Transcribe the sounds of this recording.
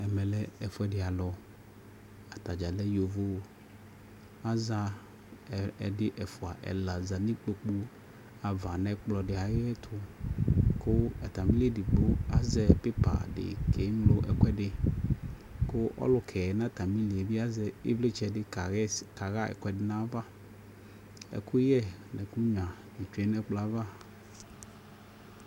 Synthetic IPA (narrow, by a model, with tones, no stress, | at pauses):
ɛ˨mɛ˨lɛ˦ɛ˨fʊ˦ɛ˦dɪ˨a˨lɔ˨ | a˨t̪a˨d͡ʒa˨lɛ˦jo˨vo˦˨ | a˦za˦ | ɛ˨dɪ˦ʔɛ˨fʊ˨a˨ʔɛ̰˨la˨za˨nĩ˦k͡po˦k͡pu˦ | a˨va˨nɛ̃˦k͡plɔ˨dɪ˨a˨ɣɪ˦ɛ˦t̪ʰʊ˦ | kʊ˦ɛ˨t̪a˨mĩ˦li˦e˨di˨ɡ͡bʊ˦a˨zɛ˨pe˦pa̰˨dɪ̰˨kʰɛ˨˦ŋ˦lo˦ʔɛ˨kɛ˦dɪ˨ | kʊ˦ʔɔ̰˦lʊ˨kʰɛ˨ɛ˨nã˦t̪a˨mĩ˦li˨vi˦a˦zɛ˦ḛ˦vle˦t͡ʃɛ˨dɪ˦ka˨ɣɛ˦ka˨ɣa˦ɛ̰˨kʷɛ˦dɪ˨nã˦va˦ | ɛ̰˨kʊ˦jɛ˦nɛ̃˨ku˦ɲ˨ã˨ | i˨t͡ʃɛ˦nɛ˦k͡pla˨va˦